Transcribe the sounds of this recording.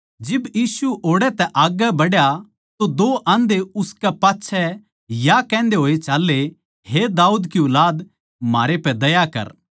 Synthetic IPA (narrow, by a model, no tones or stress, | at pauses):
d͡ʒɪbjiːsuʔoːɽɛt̪ɛʔaːɡəbɐɽja | t̪od̪oːʔãːnd̪eʊskɛpaːtːʃʰɛ | jakɛ̃ːnd̪eɦoːet͡ʃaːlːe | hed̪aːuːd̪kiʊlaːd̪ | ma̰ːɾepɛd̪ɐjakɐ̰ɾ